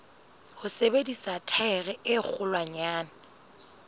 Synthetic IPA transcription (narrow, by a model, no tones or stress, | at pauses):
hʊsebedisatʰaɛɣɛʔɪk͡xʰʊlwaɲaːna